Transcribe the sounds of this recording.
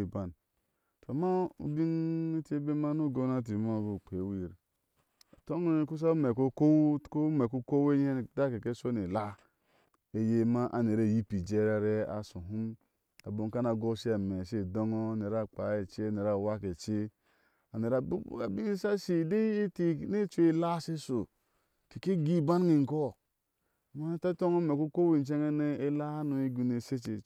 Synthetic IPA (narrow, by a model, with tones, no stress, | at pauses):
ba˨n | tu˨a˨ma˦ṵ˨bi˦ni˦te˦be˦ma˦nu˦˨ɡo˦na˦˨t̬i˨ma˦˨bu˨k͡pe˨˦wi˨ɾ | to˦ŋ˦ku˦s̬a˦me˨ko˦ko˦˨˦ko˦me˨ku˦ko˦we˦je˦n˨da˦ke˨ke˦so˦ne˨la˦ | e˨je˦ma˦ʔa̰˨ne˨ɾe˦˨ji˦pi˨d͡ʒe˦ɾa˦ɾe˦a̰˨su˨ɦu˦m | a˨bo˨ŋ˦ka˦na˨ɡo˦ʃi˦a˨me˨ʃe˦˨do˦ŋo˦˨ne˨ɾa˦˨k͡pa˨˦e˨t͡ʃe˦˨ne˨ɾa˨wa˦ke˨t͡ʃe˦ | a˨ne˨ɾa˨bṵ˦a̰˨bi˦n˦sa˦ʃi˦˨de˦e˦ti˦˨ne˦t͡ʃʷe˦la˦se˦so˨ | ke˨ke˦ɡi˦˨ba˦n˦ŋi˨ŋ̩˨ko˦˨ | ma˦ta˦to˦ŋo˦me˨ku˦ko˦we˦˨n˦t͡ʃe˦ŋe˦ne˦e˦la˦no˨i˦ɡu˨ne˨se˦t͡ʃe˨